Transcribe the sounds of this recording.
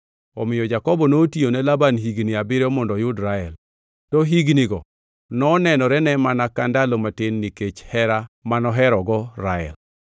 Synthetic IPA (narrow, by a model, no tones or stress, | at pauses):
ɔ̰mɪjɔd͡ʒakɔbɔnotionɛlabanɦiɡniabɪɾɔmɔndɔjʊdɾaɛl | tɔɦiɡniɡɔ | nɔːnɛnɔɾɛnɛmanakandalomatɪnːiket͡ʃhɛɾamanɔɦɛɾɔɡɔɾaɛ̰l